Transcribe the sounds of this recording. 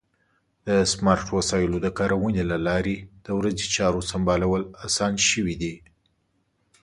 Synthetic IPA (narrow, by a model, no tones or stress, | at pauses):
d̪̥əsmɑɾʈwasɑjɪlod̪əkɑɾawənelalɑɾed̪̥əwɾazit͡ʃɑɾosambɑlawəlasɑnʃəwid̪i